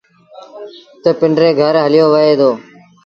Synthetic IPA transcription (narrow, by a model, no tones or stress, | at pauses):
t̪əpɪɳɖɾeːɡʱəɾɦəlɪjoːʋəeːd̪oː